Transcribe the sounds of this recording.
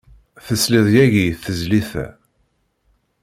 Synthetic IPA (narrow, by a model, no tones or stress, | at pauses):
θəsliðjæʝiθəzliθæ̰